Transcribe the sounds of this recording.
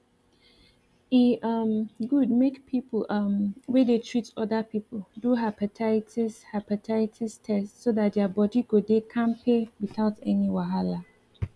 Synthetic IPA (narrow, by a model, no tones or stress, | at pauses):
iʔʌmɡud̚mekpʰipʰlʔʌmwedetʰɹ̥itɔdəpʰipʰəl̩duɦapatʰatishapatʰaɪtʰistʰɛstsodat̚dɛbɔdiɡodekʰãnpʰewiθaʊtɛniwaɦala